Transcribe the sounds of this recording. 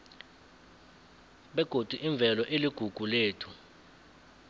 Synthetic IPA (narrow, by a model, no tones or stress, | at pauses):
ɓɛɡ̥ʱod̥ʱuʔiɱb̪vʱɛlɔʔeliɡ̥ʱuɡ̥ʱuleːtʰu̥